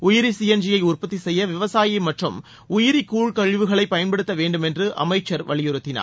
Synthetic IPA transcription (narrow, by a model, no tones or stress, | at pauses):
ʊjɪɾisijɐnd͡ʒɪjɐɪʊrpɐt̪ːisɛjːɐʋɪʋɐsaːjɪmɐʈrɯm | ʊjɪɾɪkːuːɭkɐɻʋɯɣɐɭɐɪpːɐjɐnpɐɽɯt̪ːɐʋeːɳɖɯmɛndrɯʔɐ̰mɐɪt͡ʃːɐɾʋɐɭɪjɪɾɯt̪ːɪna̰ː